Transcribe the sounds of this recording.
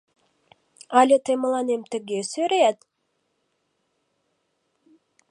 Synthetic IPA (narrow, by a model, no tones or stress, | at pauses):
ɑlʲet̪emə̆lˠɑnemt̪ɘ̆ɡesøɾeæt̪